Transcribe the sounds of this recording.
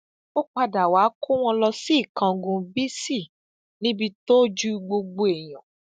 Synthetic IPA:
o˦k͡pa˧da˨wa˨˦kʰo˦w̃ɔ̃˧lɔ˧si˦˨kã˨˧ɡũ˧bi˦si˦˨ | nĩ˦bi˧to˦d͡ʒu˦ɡ͡bo˧ɡ͡bo˧e˨j̃ã˨

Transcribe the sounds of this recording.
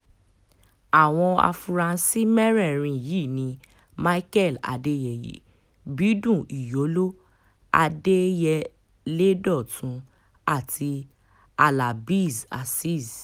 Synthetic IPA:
a˨w̃ɔ̃˧a̰˧fu˧ɾã˧˦si˦mɛ˦ɾɛ˦˨ɾ̃ĩ˧ji˦˨nĩ˧ | ma˦i˦kɛ˦˨la̰˨de˦jɛ˨jḭ˨˦ | bi˨˦dũ˦˨i˨jo˨˦lo˦ | a̰˧de˦jɛ˧ | le˦dɔ˦˨tʰũ˨˦ | a˦˨tʰi˧ | a˨la˨bi˦˨za̰˨si˦˨z

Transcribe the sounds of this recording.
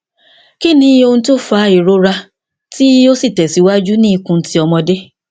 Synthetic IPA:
ki˦nĩ˧˦o˧nũ˧to˦fa˨˦i˨ɾo˦ɾa˧ | ti˦o˦si˦˨tɛ˨si˨˦wa˦d͡ʒu˦nĩː˦i˧kũ˧n̩˦ti˦ɔ˧mɔ̃˧de˦

